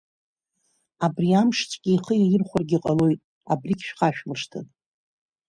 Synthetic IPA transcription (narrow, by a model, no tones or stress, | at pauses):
abriamʂt͡sʼkʲɪːχəjajɪrχʷʊrɡʲiqʼalo̞jtʼ | a̰brikʲʃᶣqaʃᶣmɨʂtʰɨ̰n